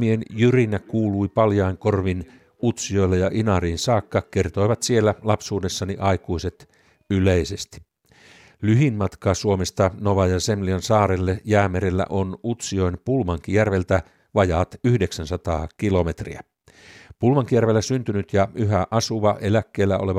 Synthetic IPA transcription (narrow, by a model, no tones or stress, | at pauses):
mienjyrinækuːluipɑljɑiŋko̞rʋin | ut̪sio̞ilːejɑʔinɑriːnsɑːkːɑke̞rt̪o̞iʋɑt̪sie̞lːælɑpsuːde̞sːɑniʔɑikuiset̪ | yleisest̪i̥ | lyɦinmɑt̪kɑːsuomest̪ɑnoʋɑjɑsemliɑnsɑːɾelːejæːmeɾelːæ̰ʔonut̪sio̞jnpulmɑŋkijærʋe̞lt̪æ | ʋɑjɑːt̪yhdeksænsɑt̪ɑ̰ːkilo̞met̪rḭæ | pulmɑŋkijærʋe̞lːæsynt̪ynyt̪jɑyɦæʔɑsuʋɑʔe̞lækːeːlːæʔole̞ʋɑ